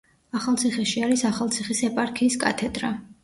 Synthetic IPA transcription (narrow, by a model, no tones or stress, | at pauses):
aχalˠt̪sʰiχɛʃiaɾisaχalˠt̪sʰiχisɛpʼaɾkʰiːskʼa̰t̪ʰɛd̪ɾa